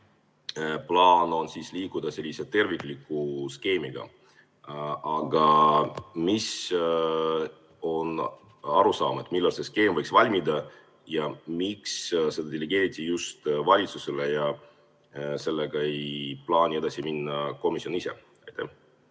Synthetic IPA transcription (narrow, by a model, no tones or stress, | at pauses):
plɑːno̞nsiːsliːkud̪̥ɑse̞lːise̞t̪ːe̞rvikˑlikːˑuske̞ːmiɡ̥ɑ̰ | ɑɡ̥ɑ | mis | o̞n | ɑɾusɑ̰ːmet̪ːˑmilːɑlse̞ske̞ːmvɤjksvɑlʲmid̪ɑ | jɑmiksse̞d̪ɑd̪̥eleɡ̥e̞ːɾit̪ʲːˑijust̪vɑlʲit̪suse̞lejɑ | se̞lːeɡ̥ɑejplɑːnʲie̞d̪ɑsiminːɑko̞misio̞nise̞̰ | ɑjt̪ːḛh